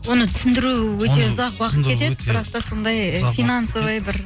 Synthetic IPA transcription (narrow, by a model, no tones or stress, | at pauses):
wo̞nət̪ʰʏsɪnd̪ɪɾuwɵt̪e̞ʊzɑqwɑqət̪kʰe̞t̪e̞d̪ɪbɪɾɑqt̪ɑso̞nd̪ɑjfijnɑnsolˠɑjbɪɾ